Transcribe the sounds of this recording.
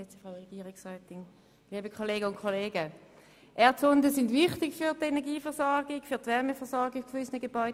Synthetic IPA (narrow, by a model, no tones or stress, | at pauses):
et͡sfʁaʊʁeɡ̥iːʁɪksʁœːtɪŋ | liːbəkʰoleːɡəʊntkʰoleːɡə | ʔɛɐtt͡sɔndəsɪndvɪχtɪkfyːdenɛʁɡiːfɛɐsɔʁɡɪkfyːɐtvɛʁməfɛɐsɔɐɡɪkkʏsnəɡəb̥ɔʏ